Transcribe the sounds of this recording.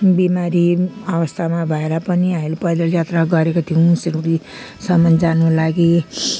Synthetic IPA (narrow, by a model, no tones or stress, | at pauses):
bimaɾiabʌst̪ʰamabʱʌeɾapʌniamilepʌjd̪ʌljat̪raɡʌɾekot̪ʰijũsiɾuɾi | sʌmʌnd͡zanulaɡi